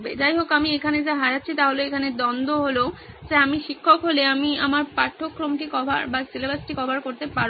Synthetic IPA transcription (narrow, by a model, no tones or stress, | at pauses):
bḛd͡ʑajɦokamiekʰaned͡ʑaɦaɾat̪ːɕʰit̪aɦoloekʰaned̪ɔnd̪oɦolo | d͡ʑeamiʃikʰːokɦoleamiamaɾpaʈʰːokːɾomʈikɔbʱa̰ɾbasilebasʈikɔbʱaɾkoɾt̪epaɾ